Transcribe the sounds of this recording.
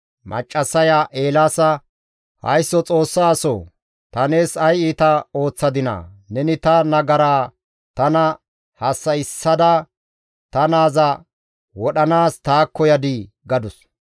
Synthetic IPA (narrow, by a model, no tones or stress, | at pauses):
mʔɐ̰t͡ʃʼːɐsɐjaʔe̞ːlaːsɐ | hɐ̰jsːɔt͡sʼo̞ːsːaːsɔ | t̪ɐne̞ːsɐjiːt̪ɐo̞ːt͡sːɐd̪ɪnɐ̰nɛnɪt̪ɐnɐɡɐɾaː | t̪ɐnɐ | hɐsːɐjɪsːɐd̪ɐ | t̪ɐnaːzɐ | wɔɗɐnaːst̪aːkːɔjɐd̪ɪ | ɡɐd̪ʊs